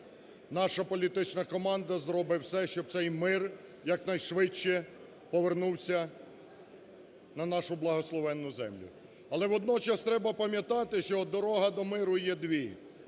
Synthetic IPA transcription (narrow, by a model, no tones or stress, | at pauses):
nɑʃɐpɔlʲit̪ɪt͡ʃnɐkɔmɑnd̪ɐzɾɔbɪwsɛʃt͡ʃɔb̚t̪sɛjmɪrjɐknɐjʃʋɪt͡ʃːɛ | pɔʋernuwsʲɐ | nɐnɑʃʊblˠɐɦɔslˠɔʋɛnːʊzɛ̰mlʲʊ̰ | ɐlˠɛʋɔd̪nɔt͡ʃɐst̪ɾɛbɐpɐmʲjɐt̪ɑt̪ɪʃt͡ʃɔd̪ɔɾɔɦɐd̪ɔmɪɾʊjɛd̪ʋʲi